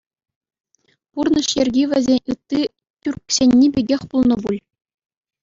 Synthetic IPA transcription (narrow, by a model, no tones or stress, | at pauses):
purnɤ̆ʂjɘ̆rʲɡʲiʋʲɘ̆zʲenʲɯt̪ːi | tʲyrksʲenʲːibʲeɡʲexʲpulˠnɤ̆bulʲ